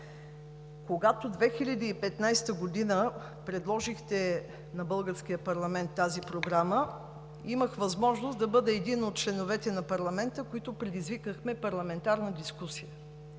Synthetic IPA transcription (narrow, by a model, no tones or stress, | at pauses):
koɡat̪od̪vɛxiʎʲɐd̪iːpɛt̪najst̪əɡod̪inə | pɾɛd̪lˠɔʒixt̪ɛ | nɐbɤlˠɡəɾskijəpɐɾlˠɐmɛnt̪ːazipɾoɡɾamə | iməxvɐzmɔʒnosd̪ɐbɤd̪ɛːd̪inot̪̚t͡ʃlɛnovɛt̪ɛnɐpɐɾlˠɐmɛnt̪əkoit̪opɾɛd̪izvikəxmɛpɐɾlˠɐmɛnt̪aɾnəd̪iskusijə